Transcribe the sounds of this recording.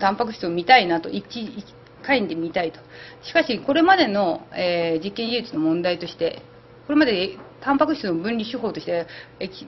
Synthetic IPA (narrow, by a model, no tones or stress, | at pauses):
t̪ãmpak̬ɯ̟̥ɕt͡sɨomʲit̪ainat̪o̞ʔit͡ɕi̥ | kaiɲid̪e̞mʲit̪ait̪o̞̥ɕi̥kaɕiko̞ɾe̞mad̪e̞no̞eːd͡ʑikːẽ̞ɲʑiɯːt͡sɨno̞mõ̞nd̪ait̪o̞ɕi̥t̪e̞ | ko̞ɾe̞mad̪e̞et̪ãmpakɯ̟ɕtt͡snobɯ̟̃nʲɾʲiɕɨɦo̞ːt̪o̞ɕit̪eekʲi